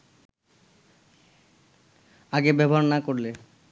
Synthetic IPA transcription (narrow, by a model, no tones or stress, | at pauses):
aɡebɛbɔɦaɾnakoɾle